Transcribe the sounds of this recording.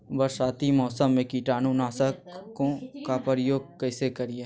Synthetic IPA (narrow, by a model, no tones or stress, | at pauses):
bɐɾʃaːt̪imɔːsəmːẽkiːʈaːnũnaːsəkõkapəɾɪjoːɡ̚kɛːsekɐɾie